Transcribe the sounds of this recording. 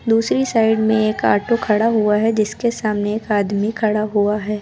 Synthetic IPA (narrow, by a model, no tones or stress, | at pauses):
d̪uːsɾisaːɪɖmẽeːka̰ːʈokʰɐɽaɦuaɦɛd͡ʒɪskesaːmneːkaːd̪mikʰɐɽaɦuaɦɛː